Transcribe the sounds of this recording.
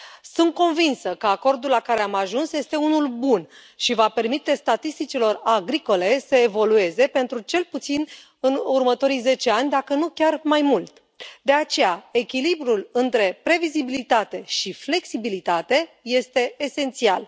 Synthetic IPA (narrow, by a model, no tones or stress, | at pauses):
sunt̪̚ko̞nvinsəkəako̞rd̪ulːakaɾe̞amaʒunsje̞st̪e̞unulbun | ʃivape̞rmit̪e̞st̪at̪ist̪it͡ʃilo̞raɡɾiko̞le̞səevo̞lue̞ze̞pe̞nt̪ɾut͡ʃe̞lput̪sin | ɨnurmət̪o̞ɾijze̞t͡ʃe̞anʲd̪akənukʲarmajmult̪ | d̪e̞at͡ʃe̞jae̞kʲilibɾulɨnt̪ɾe̞pɾe̞vizibilit̪at̪e̞ʃifle̞ksibilit̪at̪e̞je̞st̪e̞ːse̞nt̪sial